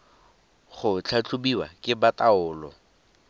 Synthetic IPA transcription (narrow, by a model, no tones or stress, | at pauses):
χʊt͡ɬʰat͡ɬʰʊbiwa̰kʼɪbatʼaʊːlɔ̰